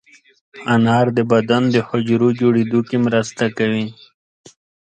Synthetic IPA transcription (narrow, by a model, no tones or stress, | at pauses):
anɑɾd̪əbad̪and̪əhʊd͡ʒɾod͡ʒoɽed̪ukemɾast̪akawi